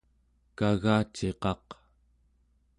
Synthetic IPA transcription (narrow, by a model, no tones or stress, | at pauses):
kaɣaːt͡ʃe̞qɑq